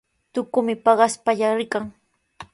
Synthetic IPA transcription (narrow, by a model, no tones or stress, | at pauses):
t̪ʊkʊmɪpɑɢɑspaʎaɾɪkaŋ